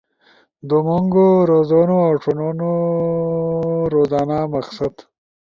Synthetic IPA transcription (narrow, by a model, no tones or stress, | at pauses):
d̪umoŋɡoɾozonoawʈ͡ʂʰonono | ɾozaːnamaxsad̪